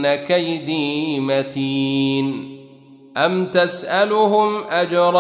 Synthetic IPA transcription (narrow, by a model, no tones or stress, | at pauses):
nakajd̪iːmat̪iːn | ʔamt̪asʔalʊhʊmʔad͡ʒɾˤ